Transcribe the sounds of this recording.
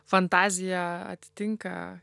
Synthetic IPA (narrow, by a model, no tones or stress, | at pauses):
fant̪aziaa̰t̪i̥t̪iŋka̰